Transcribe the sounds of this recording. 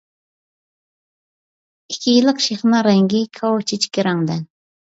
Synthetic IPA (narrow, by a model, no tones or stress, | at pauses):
ikʲʰːijilˠɨqʃeχnɑɾɛŋɡʲikʰɑwt͡ʃʰit͡ʃʰi̥kʲiɾɑŋd̪ɛ